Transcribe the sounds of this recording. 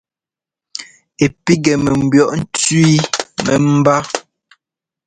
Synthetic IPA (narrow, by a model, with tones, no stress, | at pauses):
e˨pi˦ɡɛ˨mɛ˨m̩˨bjɔ˦ʔn̩˦t͡sɥi˦mɛ̰˨m̩˦ba˦